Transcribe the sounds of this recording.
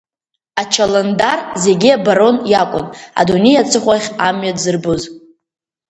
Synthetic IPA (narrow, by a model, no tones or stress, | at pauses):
at͡ʃʰalandarze̞ɡʲiabaɾo̞njakʷʼʊ̰na̰dune̞jat͡sʰʼɨχʷaχʲamɥadzɨrbɨz